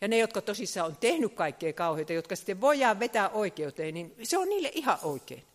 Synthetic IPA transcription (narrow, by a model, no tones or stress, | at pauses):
jɑnejot̪kɑt̪osisːɑːont̪ehnykkɑikːeːkɑuheˑit̪ɑjot̪kɑsi̥t̪ːeʋʋoijˑɑʋʋet̪æʔoˑikeut̪eːninseonniːlːeʔihɑʔʔoˑikˑḛˑːn